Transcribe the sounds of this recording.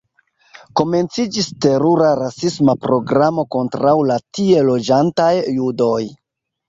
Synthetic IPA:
ko̞me̞nt͡sid͡ʒiste̞ɾuɾaɾasismapɾo̞ɡɾamo̞ko̞ntɾawlatie̞lo̞d͡ʒantajːudo̞j

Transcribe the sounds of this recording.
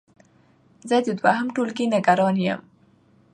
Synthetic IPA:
zəd̪əd̪waɦamʈolɡinəɡaɾɑnjə̰m

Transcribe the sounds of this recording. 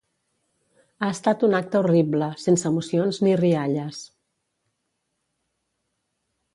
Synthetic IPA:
aəst̪at̪unak̚t̪əuribləsensəmusionzniriaʎəs

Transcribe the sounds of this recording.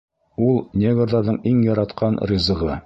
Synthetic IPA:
ulˠnʲeɡoɾðɑɾðɤɴiŋjɒɾɑt̪qʰɑnrʲizɤ̆ʁɤ

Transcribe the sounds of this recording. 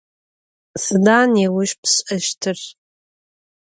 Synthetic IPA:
sɨdaːnewʊʃpʰsʼɐʃtʰɨr

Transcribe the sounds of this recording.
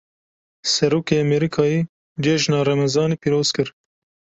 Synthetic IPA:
sɐɾuːkeɐmeɾikʰɑːjiː | d͡ʒeʒnɑːɾɐmɐzɑːnipiɾoːz̥kɨɾ

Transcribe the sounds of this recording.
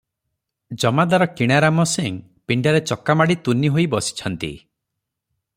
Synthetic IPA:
d͡ʒɔmad̪aɾɔkiɽ̃aɾamɔseŋ | piɳɖaɾet͡ʃɔkːamaɽit̪uniɦojbɔsi̥t͡ʃʰɔnt̪ḭ

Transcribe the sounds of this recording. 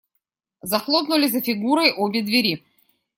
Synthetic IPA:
zɐxlˠopnʊlʲɪzəfʲɪɡuɾəjʔobʲɪd̪vʲɪɾʲi

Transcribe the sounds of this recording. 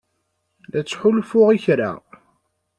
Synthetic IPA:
læt͡sːħʊlfʊʁiçɾa̰

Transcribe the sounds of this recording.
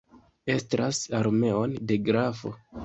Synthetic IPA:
e̞stɾasaɾme̞o̞nde̞ɡɾafo̞̰

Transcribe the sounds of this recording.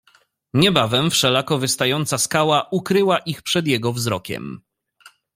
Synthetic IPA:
ɲɛbavɛmfʂɛlakɔvɘst̪ajɔnt̪saskawaʔukɾɘwaʔixpʂɛd̪jɛɡɔvzɾɔkʲɛ̰m

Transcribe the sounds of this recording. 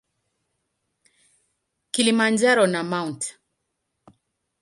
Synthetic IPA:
kilimand͡ʒaɾɔnamaunt

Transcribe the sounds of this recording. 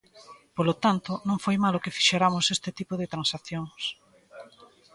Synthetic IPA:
polot̪ant̪onõŋfojmalokefiʃeɾamosest̪et̪ipoðet̪ɾãnsaθjoŋs

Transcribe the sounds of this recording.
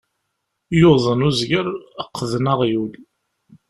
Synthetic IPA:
joðˤənuzɡəɾəqʰːðnəʁjul

